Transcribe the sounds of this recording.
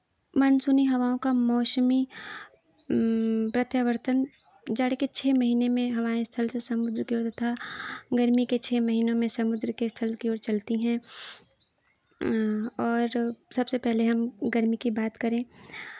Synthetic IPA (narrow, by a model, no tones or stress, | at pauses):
mɐnsʊniɦɐʋaːõkamɔːʃmi | pɾɐt̪jaʋəɾt̪ənd͡ʒaːɽket͡ʃʰeːmɐɦiːnemẽɦɐmaːest̪ʰəlsesɐmʊd̪ɾkioːɾt̪ɐt̪ʰaɡɐɾmiket͡ʃʰeːmɐɦiːnõmẽsɐmʊd̪ɾkest̪ʰəlkioːɽt͡ʃɐlt̪iɦɛ̃ | ɔːɾsɐbsepɛɦleɦɐmɡɐɾmikibaːt̪kɐɾẽː